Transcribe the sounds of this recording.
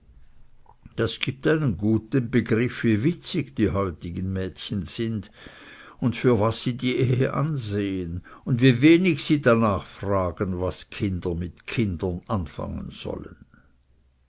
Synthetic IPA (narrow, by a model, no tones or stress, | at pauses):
d̥asɡ̥iːp̚taɪnənɡuːtənbəɡʁɪfviːvɪt͡sɪçd̥iːɦɔʏtɪɡənmɛːtçənz̥ɪnd | ʊntfyːɐvasːiːdiːʔeːhə̰ʔanzeːənʊndviːveːnɪçsiːdanaːχfʁ̥aːɡ̥ənvaskʰɪndɐmɪtkʰɪndɐnʔanfa̰ŋə̰nz̥ɔ̰lən